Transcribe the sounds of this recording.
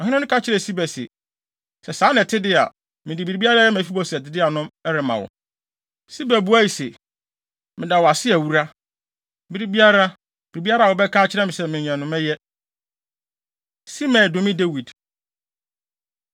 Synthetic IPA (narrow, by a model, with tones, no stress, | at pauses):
ɔ̃˨hɪ̃˦ʊ̃˦nʊ̃˦kʰa˦t͡ɕʰɪ˦ɾɛ˨si˦bæ˨sḛ˨ | sɛ˨sãː˨˦nɛ̃˨tʰɪ˦dɪ˦a̰˨ | mɪ̃˨dɪ˨bi˨ɾi˨˦bi˦a˦ɾa˦jɛ˦mæ̃˨˦fi˦bɔ˦sɛ˨tɪ˨˦dɪ˦a˨nʊ̃˦mɛ˦ɾɪ˨mã̰˨wɔ̰˨ | si˦bæ˨bu˦a˦ji˨sḛ˨ | mɪ̃˨da˨wɔ˨a˨sɪ˦æ˨wu˦ɾa˦ | bi˦ɾi˦bi˦a˦ɾa˦ | bi˨ɾi˨bi˦a˦ɾa˦˨ɔ˨bɛ˦kʰã˦t͡ɕʰɪ˦ɾɛ˦mɪ̃˨sɛ˦mɪ̃˨ɲ˨ɛ̃˨nʊ̃˨mɛ̃˦jɛ˦ | si˦mɛ̃˨dʊ˨mɪ̃˦de˦wi˨d